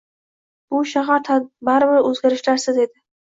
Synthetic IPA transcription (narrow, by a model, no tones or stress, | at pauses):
b̥ʊʃaɦaɾt̪ʰabaɾɪbɪɾɵzɡʲaɾɪʃlaɾsɪze̞d̪ɪ